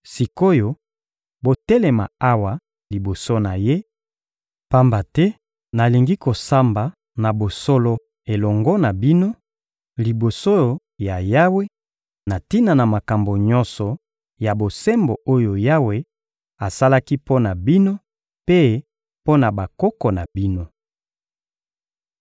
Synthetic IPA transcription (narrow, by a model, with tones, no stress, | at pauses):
si˨ko˦jo˨ | bo˨tɛ˦le˨ma̰˨a˦wa˨ | li˨bo˨so˦na˨je˦ | pa˦mba˨tɛ˦ | na˨li˨ŋɡi˦ko˨sa˦mba˨ | na˨bo˨so˦lo˦ | e˨lɔ˨ŋɡɔ˦na˨bi˦no˦ | li˨bo˨so˦ | ja˨ja˦we˦ | na˨ti˦na˨na˨ma˨ka˨mbo˨ɲɔ̃˦nsɔ˨ | ja˨bo˨sɛ˦mbo˨o˦jo˨ja˦we˦ | a˨sa˦la˦ki˦po˦na˨bi˦no˦ | pe˦ | po˦na˨ba˨kɔ˦kɔ˨na˨bi˦no˦